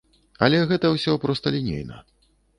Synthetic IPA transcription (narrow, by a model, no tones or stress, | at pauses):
ɐlʲɛɣɛt̪ɐwsʲɔpɾɔst̪ɐlʲinʲḛjnɐ̰